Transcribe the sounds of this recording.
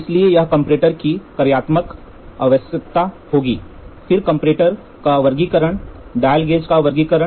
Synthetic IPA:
ɪsliejɐɦkɐ̃mpɾeːʈəɾkikɐɾjaːt̪mək | ɐʋəsjək̚t̪a | hoːɡiːfɪɾkɐ̃mpɾeːʈəɾ | kaʋɐɾɡikəɾəɽ̃ɖaːɪlɡeːd͡ʒkaʋɐɾɡikəɾə̃

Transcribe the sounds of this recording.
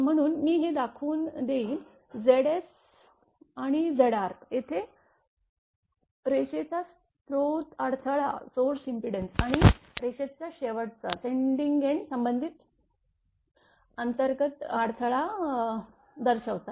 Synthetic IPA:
m̤əɽ̃uːnmiːɦed̪akʰuːnd̪eiːn | d͡zeɽes | aɽ̃id͡zeɽaɾjet̪ʰe | ɾeɕet͡sas | t̪ɾot̪aɽt̪ʰəɭa̰soɾsimpiɽensaɽ̃iɾeɕet͡ɕjaɕeʋəɽt͡sa̰seɳɖiŋɡɡeɳsəmbənd̪ʱit̪ | ənt̪əɾɡət̪aɽt̪ʰəɭa | d̪əɾɕəʋt͡sa

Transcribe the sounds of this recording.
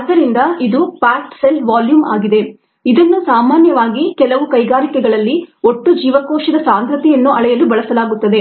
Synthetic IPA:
ɐd̪ːɐɾind̪ɐid̪upaːʈselʋaːljuːma̰ːɡid̪e̞ | id̪ɐnːusaːmaːnjɐʋaːɡikɛlɐʋukɐjɡaːɾikɛɡɐɭɐlːioʈːud͡ʒiːʋɐkoːʃɐd̪ɐsaːnd̪ɾɐt̪ijɐnːuʔɐɭɛjɐlubɐɭɐsɐlaːɡut̪ːɐd̪e̞

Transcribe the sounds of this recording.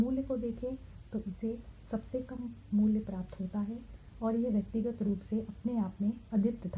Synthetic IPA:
muːljəkod̪eːkʰẽt̪oʔɪsesɐbsekɐmːuːljəpɾaːp̚t̪ɦoːt̪aɦɛ | ɔːɾjeʋjɐk̚t̪ɪɡət̪ɾuːpseʔɐpneaːpmẽɐd̪ʱɪt̪ːət̪ʰa

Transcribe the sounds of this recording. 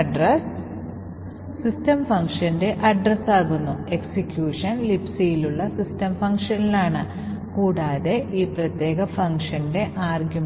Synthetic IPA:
ɖrɐs | istɐmfɐŋkʂɐnde̞ʔɐɖrɐsaːɣunːue̞ksikjuːʂɐnlipsijiluɭːɐsistɐmfɐŋkʂɐnilaːɳɨ | kuːɽaːðe̞ʔiːprɐt̪je̞ːɣɐfɐŋʂɐnde̞ʔaːrɡjum

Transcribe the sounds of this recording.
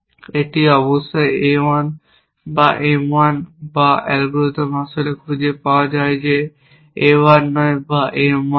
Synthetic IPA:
eʈiɔbɔst̪ɔjewan | ba̰ʔemanbaʔɛlɡɾot̪ɔmɦasulekʰud͡ʒepawad͡ʒaed͡ʒe | ewanːɔebaʔema

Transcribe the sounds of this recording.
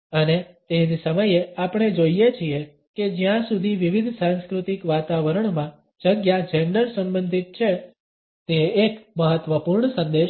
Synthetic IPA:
ənet̪enisəməjeapɳ̃ed͡ʒoijet͡ʃʰie | ked͡ʒjãsud̪ʱiʋiʋid̪ʱsãnskɾut̪ikʋat̪aʋəɾəɳmã | d͡ʒəɡjad͡ʒeɳɖəɾsə̃mbənd̪ʱit̪̚t͡ʃʰe | t̪eːkməɦət̪ʋəpuɾɳsə̃nd̪eʃ

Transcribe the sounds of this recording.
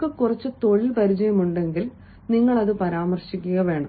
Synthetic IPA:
kːɨkurɐt͡ɕːɨt̪o̞ɭipɐɾit͡ɕɐjɐmuɳɖe̞ŋɡil | niŋːɐɭɐðɨpɐɾaːmɐrɕikʲːuɣɐʋe̞ːɳɐm

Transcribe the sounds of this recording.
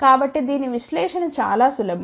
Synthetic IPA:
kaːbɐʈːid̪iːniʋiʃlɛːʂɐnɐt͡ʃa̰ːlaːsulɐb

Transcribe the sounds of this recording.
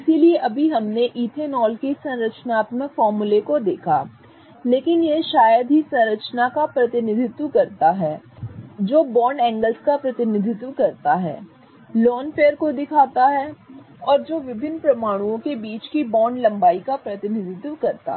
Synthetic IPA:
ɪsilieʔɐbʱiɦɐmneʔiːt̪ʰenɔːlkisɐ̃nɾət͡ʃnaːt̪məkfɔːɾmulekod̪eːkʰaː | leːkɪnjeʃaːjəd̪ɦisɐ̃nɾət͡ʃnakapɾɐt̪ɪnɪd̪ʱɪt̪wkɐɾt̪aɦɛː | d͡ʒoːbɔːɳɖɛ̃ːŋɡəlskapɾɐt̪ɪnɪd̪ʱɪt̪wəkɐɾt̪aɦɛ̰ː | lɔːnfeːəɾkod̪ɪkʰaːt̪aɦɛ | ɔːɾd͡ʒoːʋɪbʱɪnːpɾɐmaːɽ̃ũõkebiːt͡ʃkibɔːɾɳɖlɐ̃mbaːikapɾɐt̪ɪnɪd̪ʱɪt̪wəkɐɾt̪a̰

